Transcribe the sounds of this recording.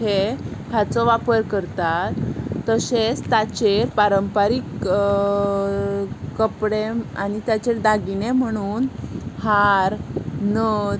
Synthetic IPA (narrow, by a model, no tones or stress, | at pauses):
et̪ʰjat͡sɔʋapəɾkəɾt̪at̪ːəset͡st̪at͡ɕeɾpaɾəmpaɾik | kəpɽema̰nit̪jat͡ɕeɾd̪aɡinem̤əɽ̃uːnhaɾnə